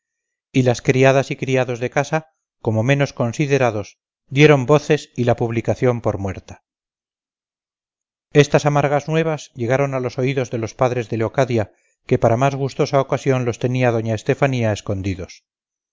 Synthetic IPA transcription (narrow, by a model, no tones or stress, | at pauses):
ilaskɾiaðasikɾiaðo̞zðe̞kasa | ko̞mo̞me̞no̞sko̞nsiðe̞ɾaðo̞s | d̪je̞ɾo̞mbo̞θe̞silapuβlikaθjo̞mpo̞ɾmwe̞ɾt̪ḁ | e̞st̪asamaɾɣ̞aznwe̞β̞azʎe̞ɣaɾo̞nalo̞so̞iðo̞zðe̞lo̞spaðɾe̞zðe̞leokaðja | ke̞paɾamazɣust̪o̞saokasjo̞nlo̞st̪e̞niaðo̞ɲaest̪e̞faniae̞sko̞nd̪iðo̞s